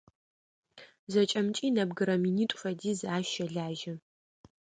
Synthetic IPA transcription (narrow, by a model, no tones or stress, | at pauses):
zɐt͡ʃʼɐmt͡ʃʼiːnɐbɡɨɾɐminiːtʷʼfɐdiːzaːʃɐɮaːʒɐ